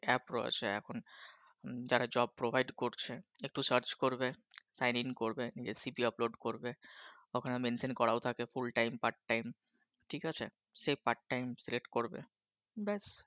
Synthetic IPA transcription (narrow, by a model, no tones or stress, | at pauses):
ɛpɾɔ̰jḛt͡ɕʰeɛ̰kʰon | d͡ʑaɾad͡ʑɔb̚pɾobʱajɖkoɾt͡ɕʰeek̚ʈusəɾt͡ɕkoɾbesajninkoɾbenid͡ʑesibiɔploɖkoɾbe | okʰanemensenkɔɾaot̪ʰakefulʈajmpaɾʈːajm | ʈʰikat͡ɕʰe | ʃepaɾʈːajmsileʈkoɾbḛ | bɛs